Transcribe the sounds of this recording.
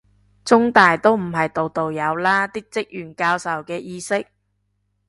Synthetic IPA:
t͡sʊ˥ŋt̪aː˨jt̪o˥wm̩˨˩ɦɐ˨jt̪o˨wt̪o˨wjɐ˨˧wlaː˥t̪iː˥t͡sɪ˥k̚jyː˨˩nkaː˧wsɐ˨wkɛː˧jiː˧sɪ˥k̚

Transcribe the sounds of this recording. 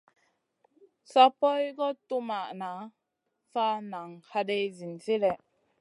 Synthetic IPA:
sa˦pɔ˦jɡɔ˦tu˦ma˨ʔna˨˦ | fa˦na˨ŋha˦de˦jzi˨nt͡si˦lɛ˨ʔ

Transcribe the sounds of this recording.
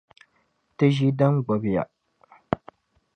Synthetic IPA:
tɨ˦ʒi˦dɐ˦ŋɡ͡bɔ˨bja̰˨

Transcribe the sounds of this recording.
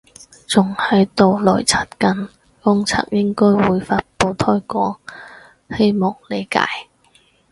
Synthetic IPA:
t͡sʊ˨˩ŋhɐ˨˥jt̪o˨wlɔː˨˩jt͡sʰaː˨˩t̚kɐ˨n | kʊ˥ŋt͡sʰa̰ː˧˥k̚jɪ˥ŋkɔː˥jwuː˨˧jfaː˧t̚po˧wt̪ʰɔː˥jkɔː˨˥ŋ | he˥jmɔ˨˩ŋle˨˧jka̰ː˨˧˥j

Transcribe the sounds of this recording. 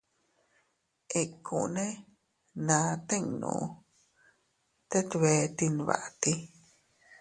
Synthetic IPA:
ʔe˧kʰṵ̃˨ʔnẽ˦ | nã˨˦t̪e˦ŋnṵ̃˧ | t̪e˦t̪βe˨˧t̪i˧nβa̰˨ʔt̪i˦

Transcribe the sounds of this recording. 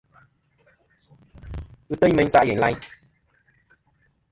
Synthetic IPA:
ɨ˦tə˦ɲ˦mɛ˨˦ɲ˦sa˦ʔjɛ˨la̰˦ɲ

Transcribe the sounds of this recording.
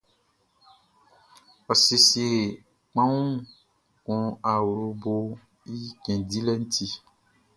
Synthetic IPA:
ɔ˨si˨si˨e˨ | k͡pã˦wũ˦ | kɔ̃˨a˨wu˨ɾo˨bo˦ | i˦kɛ̃˨di˦lɛ˦n̩˦t̪ʰi˦

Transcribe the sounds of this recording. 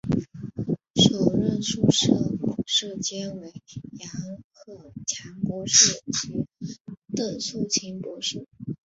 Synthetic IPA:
ʂo˨˩ʊɻə˥˧nʂu˥˧ʂɤ˥˩ku˨˩ʂɻ̩˥˩t͡ɕjɛ˥nwe˧˥˩ɪjɑ˧˥ŋkʰɤ˥˩t͡ɕʰjɑ˧˥ŋkwɔ˧˥ʂɻ̩˥˩t͡ɕi˧˥t̪ə˥˩nsu˥˩t͡ɕʰi˧˥npwɔ˧˥ʂ̩˥˩

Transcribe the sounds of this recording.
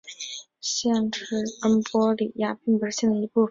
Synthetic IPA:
ɕjɛ˥˧ŋʈ͡ʂɻ̩˥ə˥npwɔ˥li˨˩ja˥˧pi˥˩ŋpə˨˧˥ɕɛ˥˩ŋd̪ə˩i˧˥pu˥˩ə˩

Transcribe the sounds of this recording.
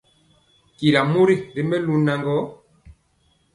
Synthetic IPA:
ki˨ɾa˨mo˦ɾi˦ɾi˦mɛ˦lu˦na˨ŋɡɔ˨˦

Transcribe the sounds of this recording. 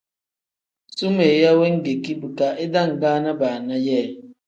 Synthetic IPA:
su˦me˨ja˦we˦ŋ̩˦ɡe˨ki˦bu˨ka˨ʔe˦da˦˨ŋ̩˨ɡaː˦na˦baː˨na˦jɛː˦˨

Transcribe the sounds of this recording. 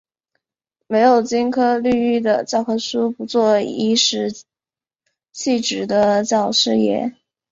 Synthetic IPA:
me˧˥ɪjo˨˩ʊt͡ɕi˥nkʰɤ˥ly˥˧y˥˩d̪ə˩t͡ɕjɑ˥˩ʊkʰɤ˥ʂu˥pu˧˥t͡swɔ˥˩i˥ʂɻ̩˧˥ | ɕʰi˥˩ʈ͡ʂɻ̩˨˩d̪ə˧t͡ɕjɑ˨˩ʊʂɻ̩˥˩jɛ̰˧˥˦

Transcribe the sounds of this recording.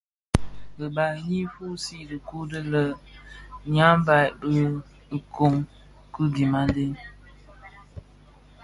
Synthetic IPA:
bə˨ba˨ji˦fu˦si˦də˨ku˦də˦lə˨ | ɲa˦m˦ba˨jbə˦ | ə˨ko˨ŋ | kɨ˦ɡi˨ma˦nde˦n

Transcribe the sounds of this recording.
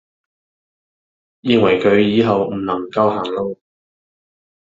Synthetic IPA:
jɪ˨˧ŋwɐ˨˩jkʰɵ˨˧ɥjiː˨˧ɦɐ˨wm̩˨˩nɐ˨˩ŋkɐ˧wɦaː˨˩ŋlo˧w

